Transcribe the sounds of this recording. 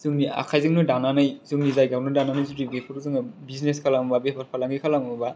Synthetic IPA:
zɯŋnia̰kʰajzɯŋnɯdananɯjzɯŋnizajɡawnɯdananɯjzuɾibepʰɯɾzɯŋɯbizneskʰalambabepʰaɾpʰalaŋɡikʰalaŋabba

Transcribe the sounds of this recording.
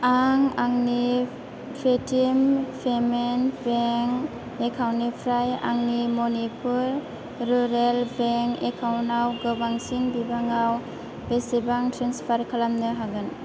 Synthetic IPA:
aŋaŋni | pʰetimpʰemenbeŋ | ekʰawnipʰɾaja̰ŋnimɔnipʰuɾ | ɾuɾelbeŋekʰawnawɡɯbaŋsinbibaŋaw | besibaŋtʰɾenspʰaɾkʰalamnɯɦaɡɯn

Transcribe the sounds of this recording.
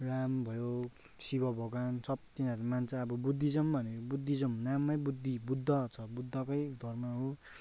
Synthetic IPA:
rambʱʌjo | sibʌbʱʌɡansʌp̚t̪inʌɾimant͡sʰʌʌbʌbud̪ʱːid͡zʌmbʱʌneɾobud̪ʱːid͡zʌmnamːʌjbud̪ʱːibud̪ʱːʌt͡sʰʌbud̪ʱːʌkʌjd̪ʱʌrmaɦo

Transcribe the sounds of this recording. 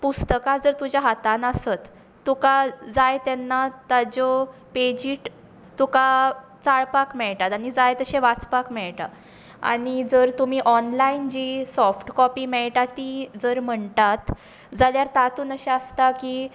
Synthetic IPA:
pust̪əkad͡zəɾt̪ud͡ʑjaɦat̪ãnasət̪ː | ukad͡zajt̪ɛnːat̪ad͡ʑɔped͡ʑiːʈ | t̪uka | t͡saɭpakmɛɭʈ̪at̪aɽ̃id͡zajt̪əɕeʋat͡spakmɛɭʈa̰ | a̰ɽñid͡zəɾt̪um̤iːʔɔnlaind͡ʑisɔfʈkɔpiːmɛɭʈat̪ːid͡zəɾm̤əɳt̪at̪ | d͡zaljaɾt̪at̪uːnəɕeəst̪aki

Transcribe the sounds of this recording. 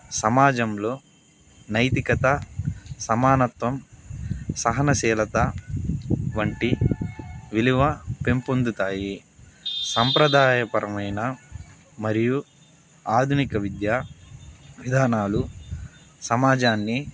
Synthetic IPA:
sɐmaːd͡ʒɐmlo̞ː | nɐjt̪ikɐt̪ɐsɐmaːnɐt̪ʋɐm | sɐɦɐnɐsɛːlɐt̪ɐ | ʋɐɳʈi | ʋiliʋɐpe̞mpond̪ut̪aːji | sɐmpɾɐd̪ʱaːjɐpɐɾʔɐmɐjnɐ | mɐɾiju | aːd̪ʱunikɐʋid̪jaː | ʋid̪ʱaːnaːlu | sɐmaːd͡ʒaːnːi

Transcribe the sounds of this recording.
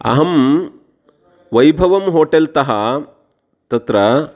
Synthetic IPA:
ɐ̰ɦɐm | ʋɐjbʱɐʋɐmɦoːʈɐlt̪ɐɦɐ | t̪ɐt̪ɾɐ

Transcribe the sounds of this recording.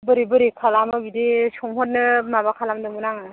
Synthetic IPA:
bɯɾibɯɾikʰalamɯbidesɔmhɔt̚nɯmabakʰalamdɯmunaŋɯ

